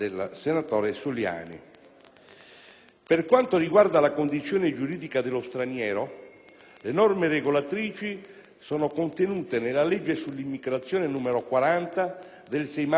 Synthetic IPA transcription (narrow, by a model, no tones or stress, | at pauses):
elsenat̪ɔːɾesulja̰ːnḭ | perkwant̪oriɡward̪alakond̪it̪sːjɔːned͡ʒuɾiːd̪ikad̪elːost̪ɾanjɛːɾo | lenɔrmereɡolat̪ɾiːt͡ʃi | sɔːnokont̪enuːt̪enelːalɛd͡ʒːesulːimːiɡɾat̪sːjɔːnenuːmeɾokwaɾant̪a | d̪elsɛjma